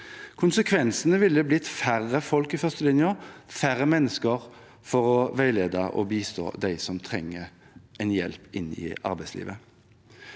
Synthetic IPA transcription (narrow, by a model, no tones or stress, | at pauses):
kʰʊnsəkʰʋɛnsənəʋɪlːəblɪt̪fæʁːəfɔlkɪfœʁst̪əlɪnjəfæɾəmɛnːəskəʁ | fɔʁɔʋæɪleːd̪ɑʔɔ̰biːst̪o̰ːd̪æɪsɔmt̪ʰʁɛŋːə | ʔɛnjɛlpɪnːɪ̰ɑ̰ɾbæɪslḭːʋə